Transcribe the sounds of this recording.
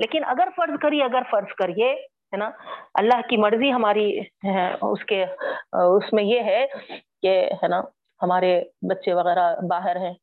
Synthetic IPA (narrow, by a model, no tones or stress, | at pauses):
leːkɪnɐɡəɾfɐɾzkɐɾieɐɡəɾfɐɾzkɐɾie | ɦɛːnaɐ̰lːaːɦkimɐɾziɦɐmaːɾiɛʊ̰ske | ʊsmẽjeɦɛkeɦɛːna | hɐmaːɾebɐtːʃeʋɐɣɛːɾabaːɦɪɾɦɛ̃ː